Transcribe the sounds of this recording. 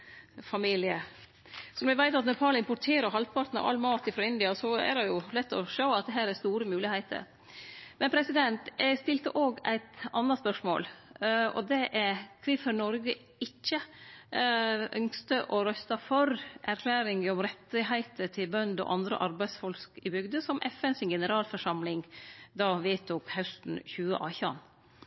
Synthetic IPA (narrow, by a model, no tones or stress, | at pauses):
fɑmiːlɪə | sɔnɔʋɪʋæɪt̪ɑt̪nœpʰɑːlɪmpʊʈʰeːɾəɾɦɑlpʰɑɾt̪nɑ̰ʋʔɑ̰lmɑːt̪ɪfɾoːɪnd̪ɪɑsɔæ̰ɾɛjʊlɛt̪ːɔʃoʊɑt̪̚d̪ɛɦæːɾæɾst̪uːɾəmʉːlɪhæɪt̪ʰə̰ɾ | mɛnpʰɾɛsɪd̪ɛnt̪æst̪ɪlt̪əʔoːɡæ̰ɪt̪ɑnːɑspœʂmo̰ːlɔ̰d̪ɛʔækʰɾɪfəɾnɔɾɡə | ɪt͡ʃːə | ʔœŋst̪əʔɔɾœst̪ɑfɔɾʔæɾkʰlæːɾɪŋɔmɾɛt̪ːɪɦæɪt̪əʈ̪ʰɪlbœnd̪ɔ̰ʔɑnd̪ɾə̰ʔɑɾbæɪd̪sfɔlkɪbʏɡd̪əsɔmʔɛfɛnsɪnɡɛnəɾɑːlfɔʂɑmlɪŋd̪ɑːʋɪːt̪ʰuːkhaʉst̪n̩çʉːə̰ʔɑːçɑ̰n